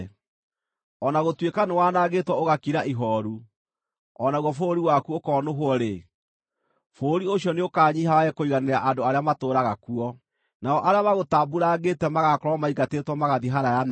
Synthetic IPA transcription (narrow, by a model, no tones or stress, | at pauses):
ɔnaɣotwekanewaːnaːɣetwɔoɣakiɾaʔiɦɔɾu | ɔnaɣwɔfoɾiwakuokɔːnoɦwɔɾe | foːɾioɕjɔneokaːɲiɦawaɛkoiɣaneɾaʔandoaɾeamatoːɾaɣakuɔ | naɔʔaɾeamaɣotaːbuɾaɣetɛmaɣakoɾɔmaiɡatetwɔmaɣaðiɦaɾajan